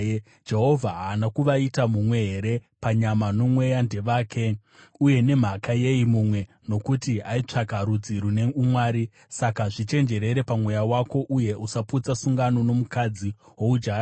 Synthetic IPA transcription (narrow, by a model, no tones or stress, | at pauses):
d͡ʒe̞ɦo̞vʱaɦaːnakuʋaitamumwe̞ɦeɾe̞paɲamano̞mwe̞jande̞ʋaːkʰe̞ | uje̞ne̞m̤akaje̞imumwe̞ | no̞kutiait͡ʂakaɾud͡ziɾune̞umwaːɾi | sakaʐit͡ʃe̞nd͡ʒe̞ɾe̞ɾe̞pamwejawako̞ʔuje̞ʔusaput͡sasuŋɡano̞no̞mukad͡zi | woud͡ʒa